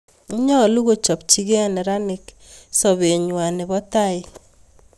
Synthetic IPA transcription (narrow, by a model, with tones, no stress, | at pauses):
ɲɔ˦˨lu˦ɣo˦t͡ʃɔ˨p̚t͡ʃi˦ɡe˦nɛ˨ɾa˦nɪ˨k | sɔ˨βe˨ɲwa˨nɪ˨βɔ˦ta˦ɪ˦